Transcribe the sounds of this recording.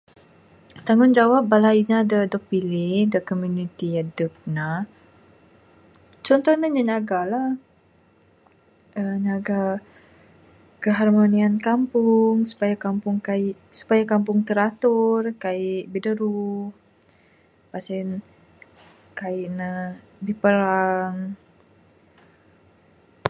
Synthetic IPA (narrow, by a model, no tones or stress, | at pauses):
t̪aŋʊnd͡ʒawap̚balaiɲadədɔk̚pilɪhdəkɔmjunit̪iadəp̚na | t͡ʃɔnt̪ɔhnəɲəɲaɡalah | əɲaɡa | kəɦarmoniankampʊŋsu̥pajakampʊŋkaiʔ | su̥pajakampʊŋt̪əɾat̪ʊrkaiʔbidəɾuh | pasɛn | kaiʔnə | bipəɾaŋ